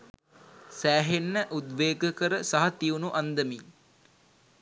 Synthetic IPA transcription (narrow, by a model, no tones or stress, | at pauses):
sæːɦenːəʔud̪ʋeːɡəkəɾəsaɦɐt̪iunuʔand̪əmi